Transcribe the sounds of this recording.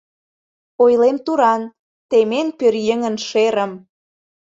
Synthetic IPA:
ojlemt̪uɾɑn | t̪emenpørjəŋə̆nʃeɾəm

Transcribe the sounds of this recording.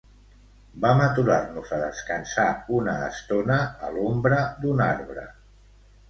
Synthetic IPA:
bamət̪uɾarnuzəðəskənsaunəːst̪onəːlombɾəd̪unaɾβɾə̰

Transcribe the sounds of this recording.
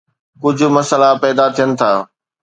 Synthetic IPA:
kʊd͡ʑʱʊ̆mɐsəlapɛːd̪at̪ʰijənɪ̆t̪ʰaː

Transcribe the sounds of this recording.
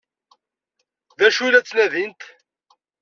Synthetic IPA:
ðæʃulæt͡sːnæðint̪

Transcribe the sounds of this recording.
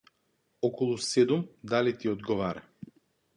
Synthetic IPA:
ɔkɔlˠusɛd̪umd̪alit̪iɔd̪ɡɔvaɾa

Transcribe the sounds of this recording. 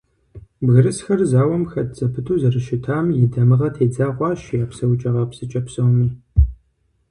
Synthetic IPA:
bɣɨɾɨsxɐrzaːwɐmxɐt̚t͡sʼɐpʰɨtʰuːzɐrɨʃɪtʰaːmjɪdɐmɨʁɐtʰeːd͡zaːʁʷɑːʃjaːpsɐwt͡ʃʼɐʁɐpsɨt͡ʃʼɐpsɐwmiː

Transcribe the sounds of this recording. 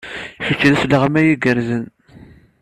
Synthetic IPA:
çət͡ʃːðæslːəʁəmæjiɡəɾzən

